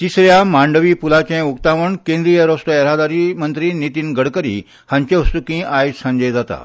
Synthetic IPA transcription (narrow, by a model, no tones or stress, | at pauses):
t̪isɾjamaɳɖəʋiːpulat͡ɕẽukt̪aʋəɳkẽnd̪ɾijəɾɔsʈəɛɾad̪aɾimənt̪ɾiːnit̪iːnɡəɽkəɾḭː | hãɲt͡ɕẽʋəst̪ukĩajsə̃ɲd͡ʑed͡zat̪a̰